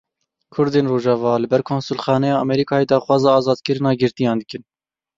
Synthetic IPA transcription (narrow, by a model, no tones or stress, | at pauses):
kʰʊɾd̪eːnroːʒɑvɑːlɨbɛɾkʰoːnsulxɑːnɛjɑːɛmɛɾiːkʰɑːjeːd̪ɑːxwɑːzɑːɑːzɑːd̪kɨɾɨnɑːɡɪɾt̪ijɑːnd̪ɨkɨn